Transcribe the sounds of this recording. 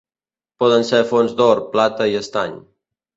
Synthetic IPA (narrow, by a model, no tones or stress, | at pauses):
pɔðənsefonzd̪oɾplat̪əiəst̪aɲ